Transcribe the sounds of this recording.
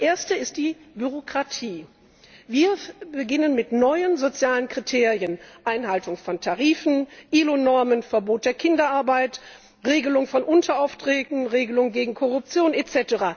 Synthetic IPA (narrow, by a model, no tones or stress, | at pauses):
ʔeːɐstəɪst̚d̥iːbyʁokʁ̥atʰiː | viːɐbəɡɪnənmɪtnɔʏənzot͡sjaːlənkʁ̥itʰeːʁiənʔaɪnɦaltʊŋfɔntʰaʁiːfn̩ʔiːlonɔɐmənfɛɐboːt̚d̥eːɐkʰɪndɐʔaɐbaɪt | ʁeːɡəlʊŋfɔnʔʊntʰɐaʊftʁ̥ɛːtn̩ʁeːɡəlʊŋɡeːɡŋ̩kʰɔʁʊp̚t͡sjoːnɛt͡sɛtəʁaː